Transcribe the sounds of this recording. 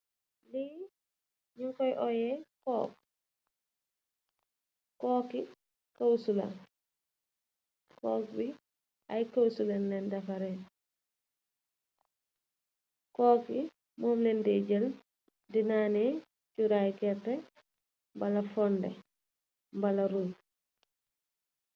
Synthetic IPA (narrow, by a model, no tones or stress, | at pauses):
li | ɲuŋkɔjʔɔjɛkɔːk̚ | kɔːki | kawsula̰n | kɔːk̚bi | ajkawsulanlɛndafaɾɛn | kɔːki | mɔmnɛndɛɟəl | dinaːnɛ | cuɾajkɛtːɛ | mbalafɔndɛ | mbalaɾum